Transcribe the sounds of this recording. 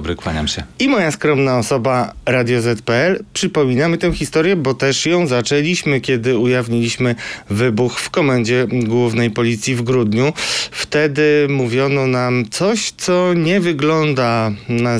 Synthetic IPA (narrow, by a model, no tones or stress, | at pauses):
bɾɘkwaɲa̰mɕɛimɔjaskɾɔmnaɔsɔbaɾad̪ʲjɔzɛt̪pɛɛlpʂɘpɔmʲinamɘt̪ɛ̃w̃xʲist̪ɔɾjɛbɔt̪ɛʂjɔ̃w̃zat͡ʂɛlʲiɕmɘkʲɛd̪ɘujavɲilʲiɕmɘvɘbuxfkɔmaɲd͡ʑɛɡwuvnɛjpɔlʲit̪sʲjivɡɾud̪ɲuft̪ɛd̪ɘmuvʲjɔnɔnamt̪sɔɕt̪sɔɲɛvɘɡlɔnd̪ana